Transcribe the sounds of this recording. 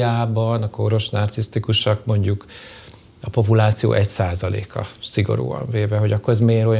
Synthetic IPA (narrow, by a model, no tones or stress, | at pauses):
aːbɒnɒkoɾo̞ʃnɒrt̪sist̪ikuʃɒkmo̞ɲɟuk | ɒpo̞pulaːt̪sijo̰ːʔɛcsaːzɒlḛːkɒ̰siɡo̞̰ɾṵːɒ̰ɱveːvɛɦo̞ɟɒkːo̞ɾɛzmeːɾo̞j